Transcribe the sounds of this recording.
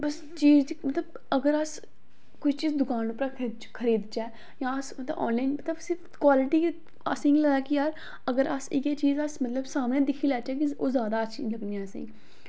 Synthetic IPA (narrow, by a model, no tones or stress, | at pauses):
bəs | t͡ʃiːzd͡ʒimət̪ləb | əɡəɾəs | kʊit͡ʃiːzd̪ʊkaːnʊpɾaːk̪ʰːt͡ʃkʰəɾiːd̪t͡ʃɛː | jãːəsmət̪ləbʔɔ̰ːnlaɪnmət̪ləbsɪɾfkwaːlɪʈiː | ə̰sĩːɡləɡaːkijaːɾ | əɡəɾəsɪkeːt͡ʃiːzəsmət̪ləbsaːmnẽːd̪ɪkʰiːlɛːt͡ʃɛːkioːzjaːd̪aːəʃʰiləɡniɛːsḛ̃ː